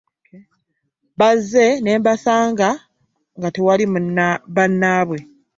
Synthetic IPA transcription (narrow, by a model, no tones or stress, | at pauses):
bazːe̞neːmbasaːŋɡa | ŋɡatewalimβanːaːβwe̞